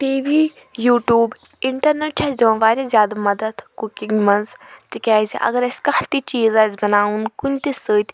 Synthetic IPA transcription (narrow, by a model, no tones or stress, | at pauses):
ʈiːʋi | juːʈjuːb | iɳʈɐɾneʈ̚t͡ʃʰɐzõːʋaːɾʲezʲjaːd̪amɐd̪ɐd̪kukiŋɡmɐnzt̪ikʲaːziʔɐ̰ɡɐɾɐsʲkɐht̪it͡ʃiːzaːzʲbɐnaːunkunʲt̪isəːt̪ʲ